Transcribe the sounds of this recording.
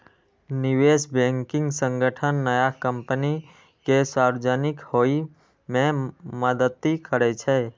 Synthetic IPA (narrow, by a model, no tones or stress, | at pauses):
nɪʋeːsbɛ̃ŋkɪ̃ŋɡsə̃ŋɡəʈʰənːəjakə̃mpəni | keswaɾwed͡ʒənɪkhoi | mẽməd̪ət̪ːikʰəɾɛt͡ʃʰɛ